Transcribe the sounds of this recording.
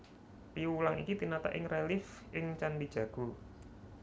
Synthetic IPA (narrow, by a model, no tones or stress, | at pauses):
piulaŋḭkit̪inat̪a̰ʔɪŋrelɪfʔɪŋt͡ʃandid̥ʒ̥ä̤ɡ̥ṳ